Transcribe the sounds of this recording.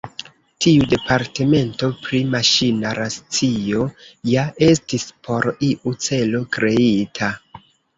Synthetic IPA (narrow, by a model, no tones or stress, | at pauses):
tʰiude̞paɾte̞me̞nto̞pɾimaʃinaɾast͡sio̞jaʔe̞stispʰo̞ɾiʔut͡se̞lo̞kɾe̞itʰa